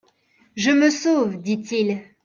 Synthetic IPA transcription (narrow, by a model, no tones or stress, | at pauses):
ʒəməsovd̪it̪il